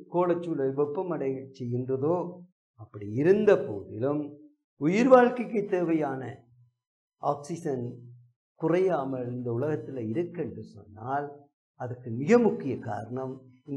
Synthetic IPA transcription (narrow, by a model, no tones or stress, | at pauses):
koːlɐt͡ʃːuːlɐʋɔpːɐmɐɽɐɪt͡ʃɛjːɪndrɐðoː | ɐpːɐɽiɪɾɯnd̪ɐpo̰ːðɪlɯm | ʊjɪɾʋaːɻkɪkːɯt̪ːeːʋɐjaːnɐ | ʔaːksɪsɐn | kʊrɐjaːmɐlɪnd̪ɐʊlɐɣɐt̪ːɪlɐɪɾɯkːɛndrɯsɔ̰nːaːl | ɐðɐkːɯmɪɣɐmʊkːɪjɐka̰ːɾɐɳɐmɪn